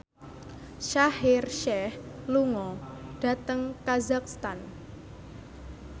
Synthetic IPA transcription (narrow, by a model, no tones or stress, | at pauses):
ʃahɪrʃɛhluŋɔɖ̥a̤t̪əŋkazak̚st̪an